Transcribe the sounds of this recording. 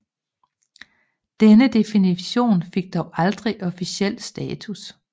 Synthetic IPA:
d̥enəd̥e̝finiɕo̝̰ːnfe̝ɡ̥̚d̥ɒʊʔɑ̈ld̥ʁiʔɒ̽fiɕiel̰̥sd̥ɛːt͡sʰus

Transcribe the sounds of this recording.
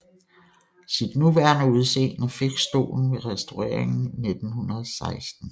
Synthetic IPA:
sid̥nuʋæɐnəuð̞ˠse̝̰ːnəfe̝ɡ̥sd̥o̝̰ːln̩ʋe̝ʁɛsd̥oɛ̰ɐ̰eŋn̩ne̝d̥n̩hunɐð̩ˠsɑ̈ɪsd̥n̩

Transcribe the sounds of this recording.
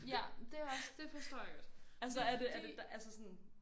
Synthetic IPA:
jæd̥e̝æɒsd̥e̝fɒsd̥ɔɐ̰ɡ̥ɔd̥ælsəæɐd̥e̝æɐded̥ʔælsəsɔ̽n

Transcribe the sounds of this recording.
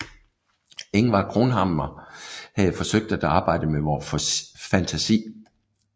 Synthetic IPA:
e̝ŋʋɑ̈kʰʁo̝nɦɑmɐhæðfɒ̽søɡ̥̚d̥æd̥ɑ̈ːb̥ɑ̈ɪ̰d̥əmeʋɒ | fænt͡sʰæsḭː

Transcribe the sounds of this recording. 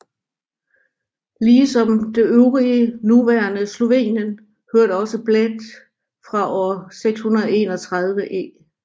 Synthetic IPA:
liːsɒ̽md̥e̝ʔøʊʁiənuʋæɐnəslo̝ʋḛːnjən | høɐ̰ɾ̥əɒ̽səb̥led̥ | fʁɑ̈ʔɒ̰ːseɡ̥shunɐð̞ˠe̝ːnɒ̽t͡sʰʁɑð̞ˠʋəʔe̝̰ː

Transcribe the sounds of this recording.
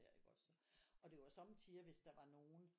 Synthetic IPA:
eɐ̰eɡ̥ɒ̽sɒ̽d̥e̝ʋɑ̈sɒ̽mt͡sʰiːɐʋe̝sd̥ɑ̈ʋɑ̈no̝ːn̩

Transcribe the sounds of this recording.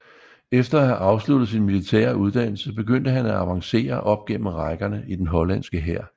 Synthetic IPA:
efd̥ɐæhæʔɑ̈ʊslud̥ð̞̩ˠs̬inmilit͡sʰɛ̰ːɐuð̞ˠd̥æn̰l̩səb̥e̝ɡ̥øn̰d̥əɦænæɑʋɑ̈ŋse̝̰ːɐʔɒ̽b̥̚ɡ̥em̰m̩ʁɑ̈ɪɡ̥ɐnəid̥enɦɒ̽læn̰sɡ̥əɦæɐ̰

